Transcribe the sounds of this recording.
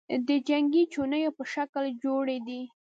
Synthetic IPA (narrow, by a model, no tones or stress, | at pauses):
d̪əd͡ʒaŋɡit͡ʃonəjopəʃakld͡ʒoɽed̪i